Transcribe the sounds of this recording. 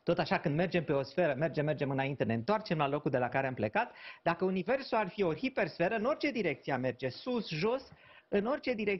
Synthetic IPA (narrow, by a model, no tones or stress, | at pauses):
t̪o̞t̪aʃakɨnd̪me̞rd͡ʒe̞mpe̞o̞sfe̞ɾəme̞rd͡ʒe̞me̞rd͡ʒemɨnaint̪e̞ne̞ɨnt̪oart͡ʃe̞mlalo̞kuld̪e̞lakaɾeample̞kat̪d̪akəunive̞rsuarfio̞hipe̞rsfe̞ɾəɨno̞rʲt͡ʃe̞d̪iɾe̞k̚t̪siame̞rd͡ʒe̞susʒo̞s | ɨno̞rt͡ʃe̞d̪iɾek̚